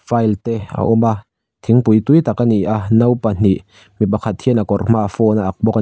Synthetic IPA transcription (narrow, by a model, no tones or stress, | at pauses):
fajlt̪ɛa̰ʔɔma | t̪ʰɪŋpujt̪ujt̪akaniʔanɐwpan̥iʔ | mipakʰat̪̚hʰiənakɔrm̥aʔafɔnaʔak̚bɔka